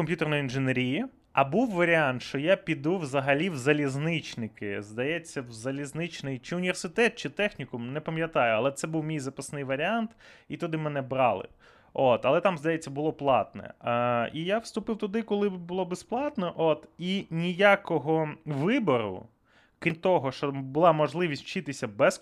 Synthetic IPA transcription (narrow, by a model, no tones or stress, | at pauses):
kɔmpʲjut̪ernjinʒɪneɾʲiji | ɐbuwːɐɾʲiant̪ʃt͡ʃɔjapʲid̪uwzɐɦɐlʲiwzɐlʲiznɪt͡ʃnɪkɪ̰zd̪ɐjɛt͡sʲːɐwzɐlʲiznɪt͡ʃnɪjt͡ʃɪʊnʲiʋersɪt̪ɛt̪̚t͡ʃɪt̪ɛxnʲikʊmnɛpɐmʲjɐt̪ɑjʊɐlˠɛt̪sɛbuwmʲijzɐpɐsnɪjʋɐɾʲɪant̪it̪ʊd̪ɪmɛnɛbɾɑlˠɪ̰ | ot̪ɐlˠɛt̪ɑmzd̪ɐjɛt͡sʲːɐbʊlˠɔplˠɑ̰t̪nɛ̰ijawst̪ʊpɪwt̪ʊd̪ɪkʊlˠɪbʊlˠɔbɛsplˠɑt̪nɔʔot̪inʲijakɔɦɔʋɪbɔɾʊ̰ | kʲint̪ɔɦɔʃt͡ʃɔbʊlˠɑmɔʒlˠɪʋʲisʲtt͡ʃɪt̪ɪsʲɐbɛs